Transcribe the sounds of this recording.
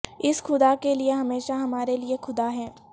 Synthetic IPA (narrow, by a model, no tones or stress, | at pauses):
ɪsxʊd̪akelieɦɐmeːʃaɦɐmaːɾeliexʊd̪aɦɛː